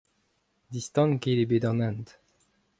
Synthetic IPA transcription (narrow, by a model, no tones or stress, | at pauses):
d̪ist̪ɑ̃nkelebed̪ɔ̃nɛ̃nt̪